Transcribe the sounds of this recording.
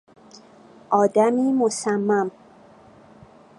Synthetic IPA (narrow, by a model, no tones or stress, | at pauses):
ʔɒːd̪æmiːmosæmːæm